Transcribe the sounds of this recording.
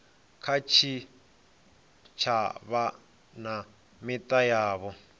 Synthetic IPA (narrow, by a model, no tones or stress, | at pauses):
kʰat͡ʃʰi | t͡ʃʰaβa | na | mitʼajaːβɔ